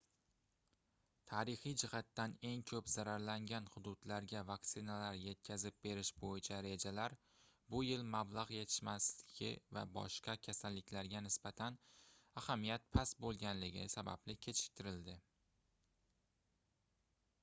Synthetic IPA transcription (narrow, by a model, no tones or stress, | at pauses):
t̪ʰaɾɪχijd͡ʒɪhat̪ːane̞ŋkʲʰɵpzaɾaɾlaŋɡʲanhʊd̪ʊd̪laɾɡʲavakt̪sɪnalaɾje̞t̪̚kʲʰazɪp̚be̞ɾɪʃbojɪt͡ʃʰaɾe̞d͡ʒalaɾ | bʊjɪlmablˠaʁje̞t̪ʰɪ̥ʃmaslɪɡʲɪ̰va̰bɒ̰ʃqɑkʲʰasalːɪkʲʰlaɾɡʲanɪsbat̪ʰanahamijat̪̚pʰasbolˠɡʲanlɪɡʲɪsaba̰blɪkʲʰe̞t͡ʃʰɪ̥k̚ʲt̪ʰɪɾɪld̪ɪ